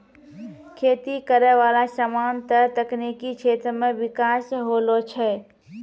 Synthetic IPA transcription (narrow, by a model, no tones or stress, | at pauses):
kʰeːt̪ikəɾɛʋaːlasəmaːnt̪əɾt̪əknikit͡ʃʰeːt̪ɾəmẽʋɪkaːsɦoːlot͡ʃʰɛ